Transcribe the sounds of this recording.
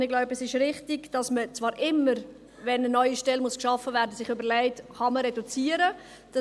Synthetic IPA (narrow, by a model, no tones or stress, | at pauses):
ɪɡ̥laʊbəsɪʃɾɪχtiɡd̥ɑsmət͡svɑːɾʔɪmːəɾ | vɛnənɔʏiʃtɛlmuskʃɑfːəvæːɾdəsɪχʏbəlæɪtχɑməɾɛdut͡siːəɾə | d̥ɑ